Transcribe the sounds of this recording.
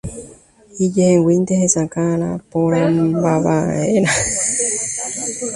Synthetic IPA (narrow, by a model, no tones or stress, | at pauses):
id͡ʒehewint̪ehesakaɾapoɾambaβa̰ena